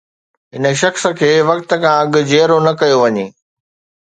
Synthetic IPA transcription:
ɦɪnə̆ʃɐxsə̆kʰeːʋɐk̚t̪ə̆kʰãɐɠʊ̆d͡ʑeːɾonɐkɐjoʋɐɲeː

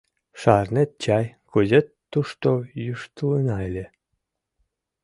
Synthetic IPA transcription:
ʃɑrnet̪̚t͡ɕɑjkuzet̪ːuʃt̪ojuʃt̪ɨlɯnɑjlʲe

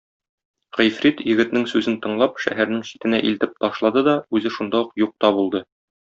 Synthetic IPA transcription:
ʁijfɾit̪jɘ̆ɡɘ̆t̪nɘŋsʉzɘnt̪ɤ̆ɴlˠɑpʃæ̰ɦæɾnɘŋɕi̥t̪ɘ̆næʔilt̪ɘp̚t̪ɒʃlˠɑd̪ɤd̪ɒʉzɘʃund̪ɑuqjuq̚t̪ɑbulˠd̪ɤ

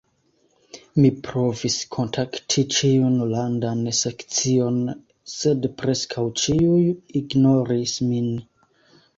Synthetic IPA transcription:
mipɾo̞viskʰo̞ntʰaktʰit͡ʃiunlandansekt͡sio̞n | se̞dpɾe̞skʰawt͡ʃiujiɡno̞ɾismin

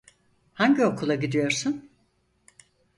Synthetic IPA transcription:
haɲɟio̞kʰulˠaɟid̪ijo̞ɾsun

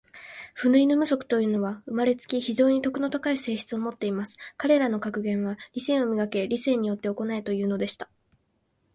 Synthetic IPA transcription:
ɸɯ̟nɯ̟ino̞mɯ̟so̞kɯ̟̥t̪o̞jɯ̟ːno̞βaɯ̟maɾe̞t͡sɨ̥kʲiçiʑo̞ːɲ̟it̪o̞kɯ̟no̞t̪akaise̞ːɕçi̥t͡sɨo̞mo̞t̪ːe̞imasɨ̥kaɾe̞ɾano̞kakɯ̟ɡẽ̞ɰ̃βaɾʲisẽ̞ːo̞mʲiɡake̞ɾʲise̞ːɲ̟ijo̞t̪ːe̞o̞ko̞nait̪o̞jɯ̟ːno̞d̪e̞ɕi̥t̪ḁ

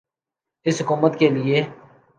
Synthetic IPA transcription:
ɪsɦʊkuːmət̪kelɪeː

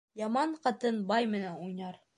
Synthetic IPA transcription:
jɑmɑɴqɑt̪ɤnbɑjmɘ̆nænujnɑɾ

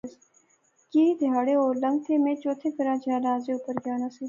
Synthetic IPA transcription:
kiːid̪ʱɪjaːɽeːoːlə̃ŋɡ̚t̪ʰeːmẽːt͡ʃoːt̪ʰeːkəɾãːd͡ʒʱaːnãːzeːʊpəɾɡjaːnãːsiː

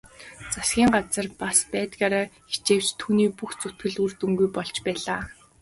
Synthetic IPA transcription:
t͡sasɡ̥ʲiːŋɢat͡sə̆rpaspæːt̪əkaːɾaːxi̥t͡ɕeːw̥t͡ɕt̪ʰuːniːpuxt͡sʊt̪ɡɘ̆ɮur̥t̪ŭŋɡujpɔɮt͡ɕpæːɮaː

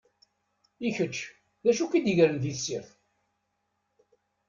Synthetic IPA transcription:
içət͡ʃː | ðæʃukid̪iʝɾənðisiθ

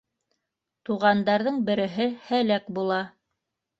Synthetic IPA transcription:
t̪uʁɑnd̪ɑɾðɤɴbɘ̆ɾɘ̆ɦɘhælækbulˠɑ

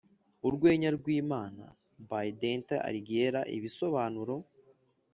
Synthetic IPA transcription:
uɾɡweːɲaɾɡwiːmaːna̰ | bajdentea̰ɾiɡeɾaʔḭβiso̞βaːnuɾo̞

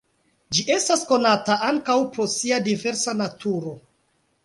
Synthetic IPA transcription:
d͡ʒiʔe̞stasko̞nataʔaŋkawpɾo̞siadive̞ɾsanatʰuɾo̞

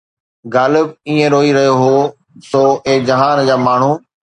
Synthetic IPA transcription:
ɡaːlɪbiːẽɾoːiɾɐɦjoɦoː | soːeːd͡ʑɐɦaːnd͡ʑaːmaːɳ̤u

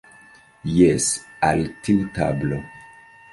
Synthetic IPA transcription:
jesaltiuta̰blo

